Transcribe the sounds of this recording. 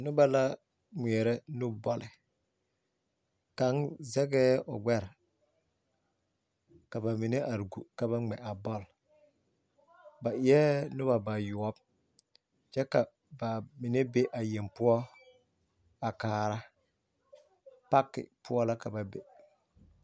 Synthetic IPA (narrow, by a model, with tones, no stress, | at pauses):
nʊ˦ba˦la˦ | ŋɛ˨ɛ˨ɾɛ˦nʊ˦bɔ˦lɪ˨ | ka˨˦nzɛ˦ɡɛː˦ɔ˨ɡ͡bɛ˦ɾɪ˨ | ka˨ba˨mɪ˨ne˦ʔa˨ɾɡṵ˨ka˨βa˦ŋ͡mɛ˨a˨bɔ˦l | ba˨ʔɪ˨ɛ˦nʊ˦βa˨ba˨jʊ˨ɔ˦b | t͡ʃɛ˦ka˨ | ba˨mɪ˨ne˦be˦ʔa˨je˨mpʊ˦ɔ˦ | a˨kaː˨ɾa˦ | pa˦kːɪ̰˨pʰʊ˦ɔ˦la˦ka˨ba˨be˨